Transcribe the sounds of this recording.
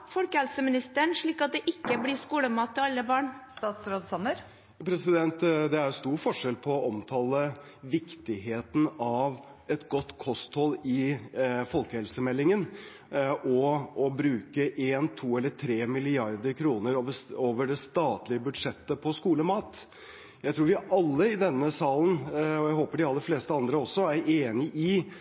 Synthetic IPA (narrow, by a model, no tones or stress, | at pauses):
fɔlkəhɛlsəmɪnɪst̪əəɳʂɭiːkɑt̪̚d̪ɛʔɪkːəblɪskuːləmɑːt̪ʰːɪɑlːəbɑːɳst̪ɑːt̪sɾoːd̪sɑnəɾ | pʰɾɛsɪd̪ɛnt̪d̪ɛæɾst̪uːɾfɔʂɛlpʰɔɔɔmt̪ʰɑːlə | ʋɪkt̪ɪɦeːt̪n̩ɑʋɛt̪ɡɔt̪ːkʰɔst̪hɔlɪfɔlkəhɛlsəmɛlːɪŋən | ʔɔɔbɾʉːkəʔeːnt̪ʰuːɛlːət̪ʰɾeːmɪlɪɑɾd̪əɾkʰɾuːnəɾoʋəoːʋəɖɛst̪ɑːt̪lɪəbʉd̪ʂɛt̪ːəpʰɔskuːləmɑːt̪ | jæɪt̪ʰɾuːɾʋɪʔɑlːəɪd̪ɛnːəsɑːlənɔjæɪɦoːpəɖɪɑlːəɾfleːst̪əɑnd̪ɾəɔsːɔæɾeːnɪʔɪ